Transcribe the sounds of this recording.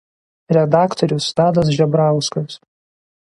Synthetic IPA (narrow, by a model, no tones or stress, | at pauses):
ɾʲɛd̪ɑːkt̪ɔɾʲʊst̪ɑːd̪ɐs̬ʒʲɛbɾɑˑʊskɐs